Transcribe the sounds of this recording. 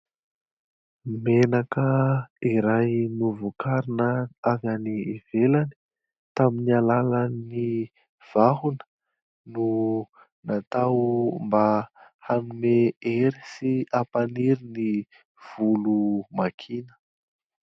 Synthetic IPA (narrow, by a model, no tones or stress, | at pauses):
menakəiɾajnuvukaɾinəavaniv̥elani̥ | t̪aminialalani | v̥aɦunə̥ | nu | nat̪awmbahanumeeɾi̥siapaniɾini | v̥ulumakʰinə̥